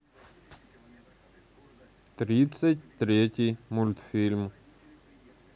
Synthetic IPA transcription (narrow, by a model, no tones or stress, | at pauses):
t̪rʲit̪sət̚ʲt̪rʲetʲijmulʲt̪fʲilʲm